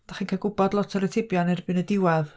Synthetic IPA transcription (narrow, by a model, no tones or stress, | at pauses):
d̥aχiːnkʰaɡʊbɔdlˠɔtʰəɾətʰɪbjɔnɛrbɨnədɪwɛð